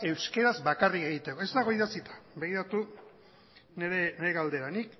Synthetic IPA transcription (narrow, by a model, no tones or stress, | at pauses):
e̞wske̞ɾazbakarike̞ɣ̞it̪e̞ko̞e̞zd̪aɣ̞o̞iðasit̪ḁbe̞ɣiɾat̪u | neɾeneeɣald̪e̞ɾanik